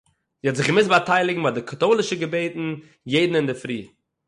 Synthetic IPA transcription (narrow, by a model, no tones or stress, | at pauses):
zihɛɔtzɪχɡəmɪsbataɪlˠɪɡŋ̩vaːdɪkʰatoːlˠɪʃəɡəbeɪtn̩ | jeɪdn̩ɪndɪfɾḭː